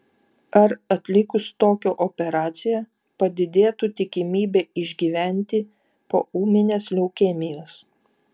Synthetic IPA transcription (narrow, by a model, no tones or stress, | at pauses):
ɐɾɐt̪ʲlʲɪkʊst̪oːkʲoːʔɔpʲɛɾɑːt̪sʲɪjɛ | pɐd̪ʲɪd̪ʲeːt̪ut̪ʲɪkʲɪmʲiːbʲeːɪʒʲɡʲiːʋʲæˑnʲt̪ʲɪ | po̰ːuːmʲɪnʲeːslʲɛʊkʲeːmʲɪjoːs